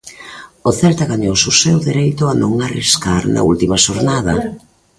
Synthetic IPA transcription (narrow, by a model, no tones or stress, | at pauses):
oθɛlt̪aɣaɲowsʊsewðeɾejt̪ʊanõŋariskaɾnɐ̰ult̪imɐʃoɾnaðɐ